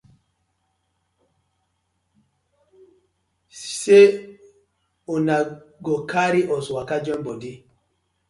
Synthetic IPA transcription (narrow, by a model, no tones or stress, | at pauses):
se | unaɡɔkaɾiʔɔswakad͡ʒɔnbɔdi